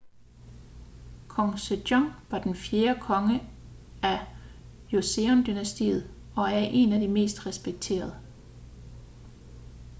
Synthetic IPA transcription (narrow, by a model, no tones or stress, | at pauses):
kʰɒŋsed̥jɒŋʋɑ̈d̥enfje̝ːɐkʰɒ̽ŋəæ | jo̝seɔnd̥ynæsd̥ḭːð̞̩ˠ | ɒ̽æɐʔe̝næd̥ime̝̰ːsd̥ʁɛsb̥eɡ̥̚t͡sʰe̝̰ːɐð̞ˠə